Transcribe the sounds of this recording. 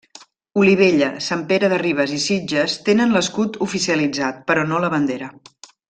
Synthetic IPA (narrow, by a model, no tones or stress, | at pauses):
uliβ̞eʎəsampeɾəðəriβ̞əzisid͡ʒəst̪enənləskut̪ufisiəlid͡zat̪̚pəɾɔnoləβənd̪eɾə